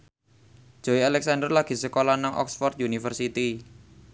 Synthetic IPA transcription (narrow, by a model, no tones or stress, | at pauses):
ʒ̥oialɛk̚sandərlaɡ̥i̤səkolanaŋʔɔ̰ksfɔrt̪̚junifərsit̪i